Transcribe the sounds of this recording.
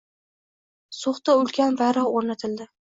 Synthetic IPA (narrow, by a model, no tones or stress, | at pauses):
soχt̪aʊlˠɡʲanbaɾɒoɾnat̪ʰɪld̪ɪ